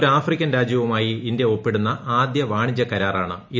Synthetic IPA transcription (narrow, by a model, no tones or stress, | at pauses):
ɾuaːfrikʲːɐnɾaːd͡ʑjɐʋumaːjiinde̞o̞pːeɽunːɐʔaːd̪jɐʋaːɳid͡ʑɐkɐɾaːraːɳɨi